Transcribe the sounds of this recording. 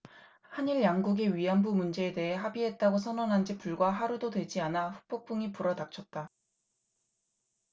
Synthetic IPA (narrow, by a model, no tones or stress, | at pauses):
haɲiɭjaŋɡuɡeɥiɦanbumund͡ʑe̞ːde̞ɦe̞ɦabiɦe̞t̚t͈aɡos̬ʰʌnʌnɦand͡ʑipuɭɡwaɦaɾudodwe̞d͡ʑianaɸuk̚p͈ok̚p͈uŋipuɾʌdak̚t͡ɕʰʌt̚t͈a